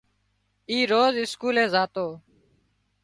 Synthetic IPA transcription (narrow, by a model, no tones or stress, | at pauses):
iːɾoːzɪskuːlẽːzaːt̪oː